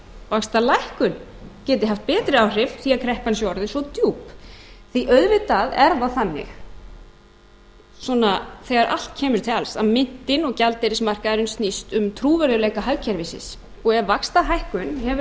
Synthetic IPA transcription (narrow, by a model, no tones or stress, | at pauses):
vakst̪alajhkʏncɛːt̪ɪɦaft̪̚pɛːt̪ɾɪawr̥ɪvθiaðkʰɾɛhpansjɔwɾðɪnsɔt̪juːpθiʔœðvɪt̪aðɛ̰ɾðaθanːɪ̰x | swɔːnaθɛɣaɾʔa̰l̥t̪̚cʰɛːmʏɾ̥t̪ʰɪalsa̰ðmɪn̥t̪ɪnɔɣcalt̪ɛɾɪsmar̥kaɛɾʏnst̪nist̪ʏmt̪ʰɾuːvɛɾðʏlɛːjkaɦaɥcʰɛɾvɪsɪ̰s | ɔɣɛvvakst̪aɦajhkʏnhɛvʏ